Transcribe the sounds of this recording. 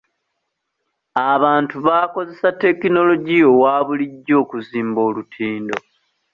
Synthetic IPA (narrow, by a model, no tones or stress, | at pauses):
aβaːntuβaːko̞ze̞satːe̞kino̞lo̞ɟio̞waːβuliɟːo̞ːkuziːmbo̞ːlutʰiːndo̞